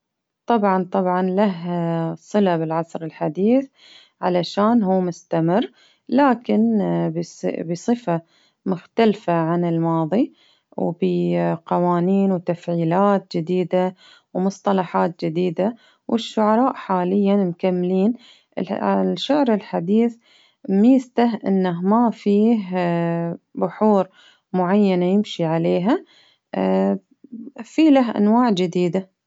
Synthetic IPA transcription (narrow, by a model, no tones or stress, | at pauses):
t̪ˤɑbʕɑnt̪ˤɑbʕɑnlaɦsˤɨlabɪlʕɑsˤɾɪlħad̪iːθ | ʕalaʃaːnɦuːmʊst̪amɪrː | laːkɪnbbɪsˤɨfa | mʊxt̪alfaʕanɪlmɑːðˤi | wbɪqɑwaːniːnwt̪afʕiːlaːt̪̚d͡ʒɪd̪iːd̪a | wmʊsˤt̪ˤɑlɑħaːt̪̚d͡ʒɪd̪iːd̪a | wʔɪʃːʊʕɑɾˤɑːʔħaːlɪjːamkamːliːn | ʔɪ̰lʃʊʕɾɪlħad̪iːθ | mist̪aɦʔɪ̰nːaɦmafiːɦ | bʊħuːɾ | mʊʕajːanajɪmʃiʕaleːɦa | fiːlaɦʔa̰nwaːʕd͡ʒɪd̪iːd̪a